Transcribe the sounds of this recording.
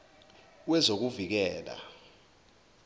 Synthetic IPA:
wɛzok̬uvik̬ɛːla̰

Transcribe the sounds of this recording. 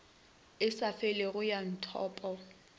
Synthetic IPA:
ɪsafɛleɣʊjan̩tʰɔ̰ːpʼɔ

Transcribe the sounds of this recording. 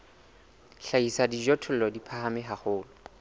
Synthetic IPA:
ɬaisadid͡ʒɔtʰʊl̩lɔdipʰahamɪɦaχʊːlɔ

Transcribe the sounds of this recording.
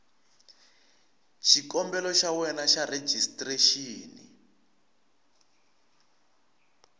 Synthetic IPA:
ʃikɔmbɛlɔʃawɛnaʃaɾe̥ʒʱistreʃiːnḭ

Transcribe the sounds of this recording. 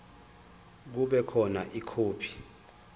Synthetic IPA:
k̬uɓɛkʰɔnaʔikʰuːpʰi̥

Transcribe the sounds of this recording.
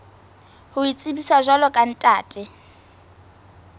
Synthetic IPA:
hʊit͡sʼɪbisaʒalɔkʼan̩tʼaːtʼɪ

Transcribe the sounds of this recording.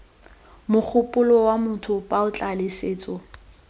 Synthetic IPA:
mʊk͡xʰʊpʼʊlɔwamʊtʰʊpʼaʊt͡ɬʼalɪseːt͡sʼɔ

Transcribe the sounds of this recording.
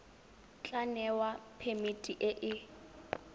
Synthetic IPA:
t͡ɬʼanɛwapʰemitʼiʔɪʔɪ

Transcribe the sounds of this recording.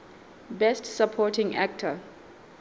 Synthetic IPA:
bɛstsapʰɔtɪ̃ŋa̰k̚tʰə

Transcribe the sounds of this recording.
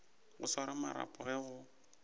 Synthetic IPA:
ɣʊ̰saɾamaɾa̰pʼʊɣɛɣʊ

